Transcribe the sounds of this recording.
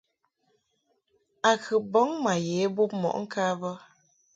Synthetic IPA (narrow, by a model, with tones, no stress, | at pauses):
a˨kɨ˨bɔ˨˦ŋma˨je˨˦bu˦p̚mɔ̰˨ʔŋ̩˦kʰaː˦bə˦